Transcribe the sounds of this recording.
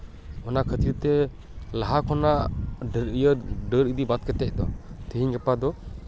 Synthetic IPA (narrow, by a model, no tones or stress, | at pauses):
ɔnakʰət̪iɾt̪ɛ | laɦakʰɔnaʔɖɾijəɖəɾəd̪ibat̪̚kɛt̪ɛc̚d̪ɔt̪ʰəɦiɲɡɛpad̪ɔ